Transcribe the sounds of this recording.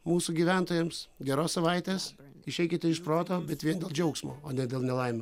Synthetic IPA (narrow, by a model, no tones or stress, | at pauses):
muːsuɡʲiːʋʲænt̪oːjɛmsɡʲɛɾoːssɐʋɐɪt̪ʲeːs | ɪʃʲɛɪkʲɪt̪ʲɪɪʃpɾoːt̪oːbʲɛt̪ʋʲiɛnd̪ʲeːlˠd͡ʒʲɛʊksmo̰ːoːnʲɛdʲeːlˠnʲɛlˠɐɪmʲɛ